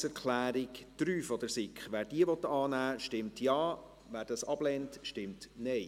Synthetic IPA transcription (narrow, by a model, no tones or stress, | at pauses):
sɛɾkʰlæːɾɪkt̪ɾyːfɔd̪əɾsɪkχʋæːɾd̥iəʋɔt̪ɑːnæːʃtɪmtjɑː | væːɾd̥ɑsɑb̥lɛntʃtɪmtnɛɪ